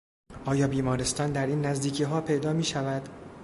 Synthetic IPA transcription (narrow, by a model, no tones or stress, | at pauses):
ʔɒːjɒːbiːmɒːɾest̪ɒːnd̪æɾiːnːæzd̪iːcʰiːɦɒːpʰe̞jd̪ɒːmiːʃævæd̪̥